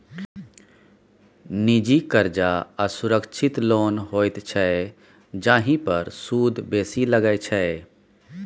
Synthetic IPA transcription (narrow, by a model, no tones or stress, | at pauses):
nid͡ʒikəɾd͡ʒaəsuɾəkt͡ʃʰɪt̪loːnɦoːjt̪t͡ʃʰɛe | d͡ʒãːɦĩpəɾsuːd̪ʱbeːsiləɡət͡ʃʰɛ